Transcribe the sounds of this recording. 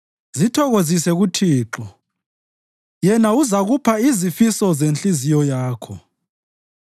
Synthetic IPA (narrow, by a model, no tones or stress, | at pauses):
zitʰɔɣozisɛɣutʰiːǁɔ | jɛnauzaɣupʰaizifisɔzent͡ɬʼizijɔjaːkʰɔ